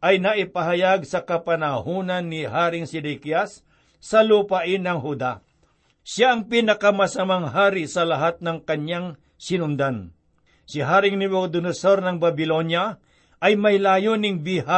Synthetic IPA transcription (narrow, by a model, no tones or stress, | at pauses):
ʔɐjnɐʔɪpɐɦɐjaɡsɐkɐpɐnɐhuːnɐnːɪhaːɾɪŋsɪd̪ɛkjasː | ɐlupaʔɪnːɐŋɦud̪a | ʃaʔɐŋpinɐkɐmɐsɐmaŋɦaːɾɪsɐlɐɦat̪̚nɐŋkɐɲaŋ | sɪnʊnd̪an | siɦaːɾɪŋnɪmod̪ʊnɐsoɾnɐŋbɐbɪlo̞njɐ | ʔɐjmɐjlaːjonɪŋbiha